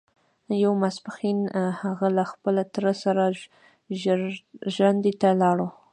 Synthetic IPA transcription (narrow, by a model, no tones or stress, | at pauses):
jawmasbaxinhaɣalaxpəlat̪ɾəsaɾa | ʒwand̪et̪alɑɽo